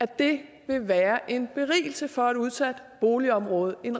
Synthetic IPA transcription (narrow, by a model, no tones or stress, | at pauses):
æd̥e̝ | ʋe̝ʋæːɐʔe̝nb̥e̝ʁḭːl̩səfɒ̽æduð̞ˠsæd̥ | b̥o̝ːliɒ̽mʁɔ̽ːð̞̩ˠe̝n